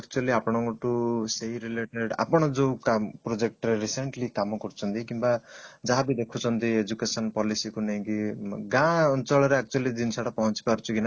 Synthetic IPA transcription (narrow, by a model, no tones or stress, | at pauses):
ak̚t͡ʃualiapɔɽ̃ɔŋkɔʈuseɦjɾileʈeɖa̰pɔɽ̃ɔd͡ʒowkampɾod͡ʒek̚ʈɔɾeɾiseɳʈlikamɔkɔɾut͡ʃʰɔnt̪ikimbad͡zaɦabid̪ekʰut͡sʰɔnt̪ied͡ʒukesɔnpɔlisikuneɦĩkiɡãɔnt͡ʃɔɭɔɾeak̚t͡ʃualid̪insaʈapɔɦɔnt͡ʃi̥paɾt͡ʃʰukina